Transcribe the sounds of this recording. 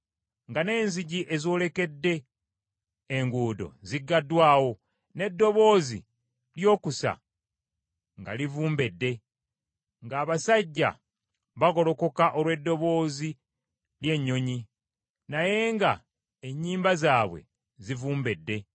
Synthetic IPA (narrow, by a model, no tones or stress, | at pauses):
ŋɡane̞ːnziɟiʔe̞zio̞le̞ke̞dːe̞ | ŋɡuːdo̞̰ziɡːadːwaːwo̞ | ne̞dːo̞βo̞ːzḭ | ljo̞ːkusa̰ | ŋɡa̰livuːmbe̞dːe̞ | ŋɡaːβasaɟːa̰ | βaɣo̞lo̞ko̞kaʔo̞lwe̞dːo̞βo̞ːzi | lje̞ɲːo̞ɲi | naje̞ŋɡa̰ | eɲːiːmbazaːβwe̞̰ | zivuːmbe̞dːe̞